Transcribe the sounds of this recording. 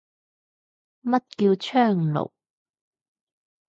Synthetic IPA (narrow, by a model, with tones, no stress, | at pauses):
mɐ˥t̚kiː˧wt͡ʃʰœː˥˩ŋlo̰˨˩w